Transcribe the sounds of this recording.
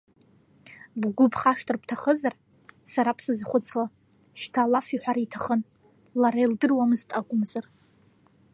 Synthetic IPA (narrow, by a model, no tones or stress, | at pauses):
bɡʷʊpʰχaʂtʰʼɨrpʰtʰaχəzar | saɾapʰsɨzχʷʊt͡sʰla | ʃtʰalafiħʷᶣaɾaitʰaχən | laɾajldɨrwamɨztʼaɡʷʼʊmzar